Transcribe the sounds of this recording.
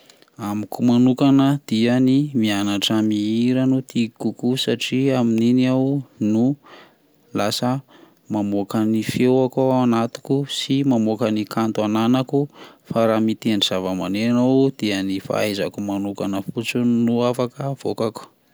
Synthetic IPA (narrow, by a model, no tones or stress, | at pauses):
amikumanukanəd̪̥ianimianaʈ͡ʂamiiɾanut̪ikukusaʈ͡ʂiamininiawnu | lasə | mamokanifewakoanat̪u̥kusimamokanikant̪uananakufaɾamit̪eniz̥avəma̰nenowd̪̥iənifa̰ajza̰kumanukanəfut͡sunuafakəv̥okaku̥